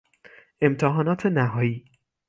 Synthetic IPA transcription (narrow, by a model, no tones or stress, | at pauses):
emt̪ʰeɦɒːnɒːt̪ʰenæɦɒːiː